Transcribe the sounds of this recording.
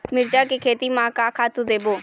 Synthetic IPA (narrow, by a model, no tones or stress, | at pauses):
mɪɾd͡ʒaːkekʰeːt̪iːmãːkaːkʰaːt̪ud̪eːboː